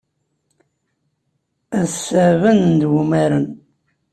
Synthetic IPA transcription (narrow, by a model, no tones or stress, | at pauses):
æðsævənnd̪wumæɾən